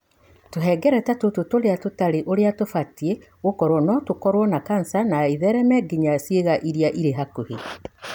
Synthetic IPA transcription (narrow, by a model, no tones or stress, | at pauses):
toɦɛɡɛɾɛtatototoɾeatotaɾeʔoɾeatofatie | ɣokɔɾwɔnɔtokɔɾwɔnakansanaiðɛɾɛmɛɡeɲasjeɣaʔiɾiaʔiɾeɦakohe